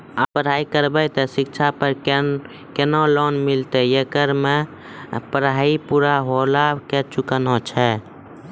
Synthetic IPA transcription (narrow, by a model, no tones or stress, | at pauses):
apəɾɦaikəɾbɛjt̪ɔsikt͡ʃʰapəɾ | kenɔlɔnmilt̪ejekəɾme | pəɾaipuɾaɦolaket͡ʃukənɔt͡ʃʰɛ